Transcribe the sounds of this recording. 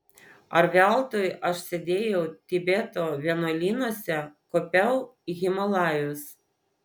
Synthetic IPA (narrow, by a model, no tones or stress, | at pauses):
ɐɾʋʲæˑlˠt̪oːjʔɐʃsʲɛd̪ʲeːjɛʊt̪ʲɪbʲet̪oːʋʲiɛnoːlʲiːnuɔsʲɛkɔːpʲɛʊɣʲɪmɐlˠɑːjʊs